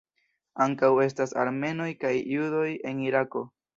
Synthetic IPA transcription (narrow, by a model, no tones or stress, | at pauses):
aŋkawe̞s̬tasa̰ɾme̞no̞jkajːudo̞je̞niɾako̞